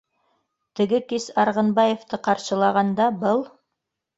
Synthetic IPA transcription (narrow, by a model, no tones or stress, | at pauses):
t̪ɘ̆ɡɘkisɑɾʁɤ̆nbɑjeft̪ɤqɑɾʃɤ̆lˠɑʁɑnd̪ɑbɤlˠ